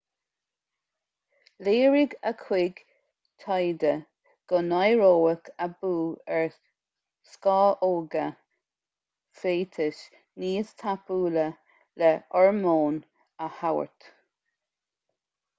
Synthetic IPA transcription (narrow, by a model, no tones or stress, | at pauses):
leːɹɪɡəkʰwɪɡ | t̪ʰɑjd̪ə | ɡ̥ɔnajɹoːəkʰəbuːɛɹ | skɑːʔoːɡə | feːt̪ʰɪʃ | niːst̪ʰapuːlə | lɛʔɔɹmoːn | əhawə̰ɹt̪